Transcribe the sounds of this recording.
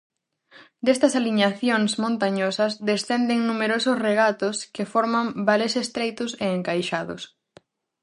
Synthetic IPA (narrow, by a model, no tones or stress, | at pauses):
d̪est̪ɐsaliɲaθjoŋsmõnt̪aɲosɐsd̪esθɛnd̪eŋnumeɾosʊsreɣat̪ʊskɪfɔɾmambalesest̪ɾejt̪ʊseːŋkajʃaðʊ̰s